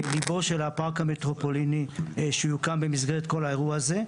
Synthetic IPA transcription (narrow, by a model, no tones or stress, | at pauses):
libo̞ʃe̞lapaʁkamet̪ʁo̞po̞liniʃejukambemizɡeet̪ko̞lae̞ʁuaaze̞